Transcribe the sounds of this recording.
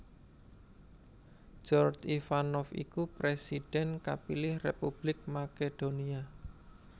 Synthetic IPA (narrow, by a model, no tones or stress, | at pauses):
d͡ʒ̥ɔrd͡ʒifanɔfḭkupɾesiɖ̥ɛnkapilɪhrepub̥lɪk̚maked̥onia